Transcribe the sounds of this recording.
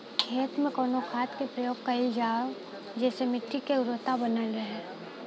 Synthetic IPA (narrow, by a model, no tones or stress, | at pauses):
kʰeːt̪mẽkoːnokʰaːt̪kepɾəjoːɡ̚kɐɪld͡ʒaːo | d͡ʒɛːsemɪʈʰːikeɾoːt̪abənəlɾəɦeː